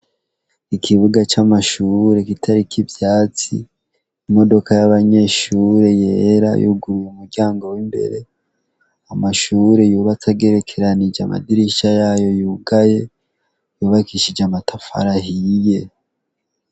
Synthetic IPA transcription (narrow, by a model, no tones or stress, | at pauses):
ikʰiβuɡat͡ʃamaʃuɾe̞kitʰaɾikʰivjaːt͡sḭ | imo̞do̞kajaβaɲe̞ʃuɾe̞je̞ːɾa̰jṵɡuɾujeumuɾɟaːŋɡo̞wimbe̞̰ɾe̞ | amaʃuɾe̞juːβat͡saɡe̞ɾe̞kʰe̞ɾanid͡ʒa̰ma̰diɾiʃajaːjo̞juɡaje̞ | juːβakiʃid͡ʒeamatafa̰ɾaɦije̞